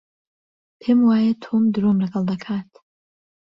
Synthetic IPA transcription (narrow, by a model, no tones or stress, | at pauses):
pʰeːmwaːjɛt̪ʰomd̪ɨɾomləɡɐlˠd̪ɐkʰaːt̪ʰ